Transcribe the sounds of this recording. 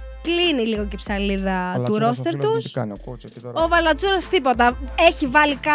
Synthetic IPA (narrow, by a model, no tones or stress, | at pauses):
kliniliɣo̞cepsɐliðɐt̪uɾo̞st̪e̞ɾt̪us | o̞vɐlɐd͡zuɾɐst̪ipo̞t̪ɐeçivɐlikɐ